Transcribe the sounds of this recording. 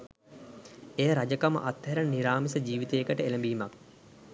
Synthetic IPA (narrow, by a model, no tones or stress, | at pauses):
ejəɾad͡ʒəkamə̰ʔat̪heɾəniɾaːmisəd͡ʒiːʋit̪ejəkəʈəeləmbiːmak̚